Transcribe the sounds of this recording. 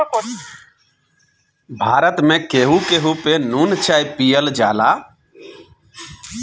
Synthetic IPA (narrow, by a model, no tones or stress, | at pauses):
bʱaɾət̪mekeɦũkeɦũpenunt͡ʃʰajpijəld͡ʒa̰la